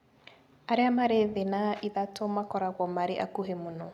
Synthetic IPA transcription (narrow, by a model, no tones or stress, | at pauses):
aɾeamaɾeðenaʔiðatomakɔɾaɣɔmaɾeʔa̰kuɦemonɔ